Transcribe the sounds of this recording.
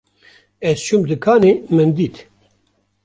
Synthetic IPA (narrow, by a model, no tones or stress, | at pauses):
ɛzt͡ʃʰumd̪ɨkʰaːnemɨnd̪iːt̪